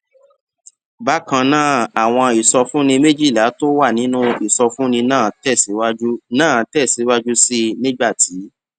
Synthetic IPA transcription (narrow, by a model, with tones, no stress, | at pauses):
ba˦kã˧nãː˦˨a˨w̃ɔ̃˧i˨sɔ˧fũ˦nĩ˧me˦d͡ʒi˦˨la˨˦to˦wa˦˨nĩ˨˦nũ˦i˨sɔ˧fũ˦nĩ˧nãː˦˨tɛ˦˨si˨˦wu˦nãː˦˨tɛ˦˨si˨˦wa˦d͡ʒu˦si˦nĩ˦ɡ͡ba˦˨ti˨˦